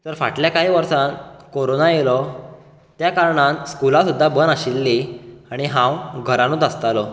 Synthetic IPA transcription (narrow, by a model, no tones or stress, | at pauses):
t̪əɾfa̰ʈljakaɦiːʋəɾsankoɾonajelɔ | t̪jakaɾɳãnskulasud̪ʱːabənaɕilːiaɽ̃iɦãwɡʱəɾãnot̪əst̪alɔ